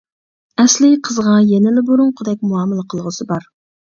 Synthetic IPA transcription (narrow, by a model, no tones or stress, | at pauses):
ɛslɪqʰəzʁɑjɛnɪlɪboɾʊɴqʰʊd̪ɛk̚ʲmuɑːmɨlˠəqʰəlˠʁəsɨbɑɾ